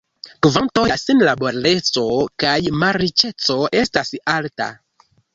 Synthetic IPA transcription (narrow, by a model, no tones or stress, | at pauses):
kvanto̞jasinlaboɾale̞t͡so̞kajmaɾit͡ʃe̞t͡so̞ʔe̞stasalta̰